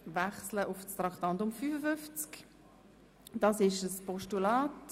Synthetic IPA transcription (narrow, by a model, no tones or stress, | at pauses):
vaχsləʔʊfst̪ɾɑktɑntʊmfyfəfʏft͡sk | d̥ɑsɪʃəspɔʃtulaːt